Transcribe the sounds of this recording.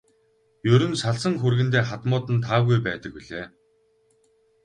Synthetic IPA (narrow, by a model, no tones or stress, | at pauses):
jɵɾɵ̆nsaɮsə̆ŋxurɣɘ̆nt̪eːχat̪mʊːt̪ɘ̆nt̪ʰaːwɣujpæːt̪ə̆kpiɮeː